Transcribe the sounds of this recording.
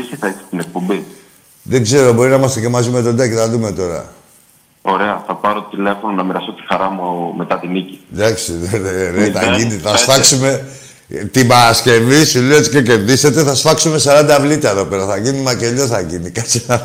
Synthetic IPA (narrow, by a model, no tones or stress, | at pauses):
isiθɐise̥t̪inek̚po̞mbi | ðe̞ɡze̞ɾobo̞ɾinɐimɐst̪ecemɐzime̞t̪o̞d̪ɐct̪ɐðume̞t̪o̞ɾɐ̰ | o̞ɾe̞ɐθɐpɐɾot̪ile̞fononɐmiɾɐsot̪i̥xɐɾɐmume̞t̪ɐt̪inici̥d̪ɐksieeneθɐʝiniθɐsfɐksume̞ | t̪ibɐɾɐsce̞visulesce̞ce̞ɾðise̞t̪e̞θɐsfɐksume̞sɐɾɐnd̪ɐvlit̪ɐeðo̞pe̞ɾɐθɐʝinimɐceʎosθɐʝinikɐsiɐ